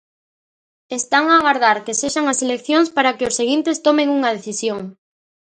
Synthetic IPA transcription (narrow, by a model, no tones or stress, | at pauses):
est̪aŋaːɣaɾð̞aɾkeseʃaŋaselekθjoŋspaɾakeosːeɣint̪est̪omeŋuŋɐð̞eθisjoŋ